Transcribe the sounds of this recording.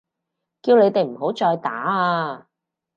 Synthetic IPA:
kiː˧wne˨˧jt̪e˨jm̩˨˩ho˨˥wt͡sɔː˧jt̪a̰ː˨˥aː˧

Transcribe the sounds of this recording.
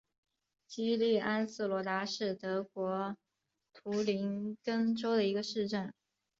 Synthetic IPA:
t͡ɕi˥li˥˩ʔa˥nsɹ̩˥˩lwɔ˧˥t̪a˧˥ʂɻ̩˥˩t̪ɤ˧˥kwɔ˧˥ | t̪ʰu˧˥li˧˥nkə˥ŋʈ͡ʂo˥ʊd̪ə˨i˧˥ɡə˧ʂɻ̩˥˧ʈ͡ʂə˥˩n

